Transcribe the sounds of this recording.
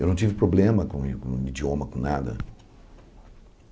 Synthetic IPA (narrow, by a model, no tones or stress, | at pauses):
ewnɐ̃w̃t͡ʃ̪ivɪpɾoblẽmɐkõkõid͡ʒiõmɐkõnad̪ɐ̰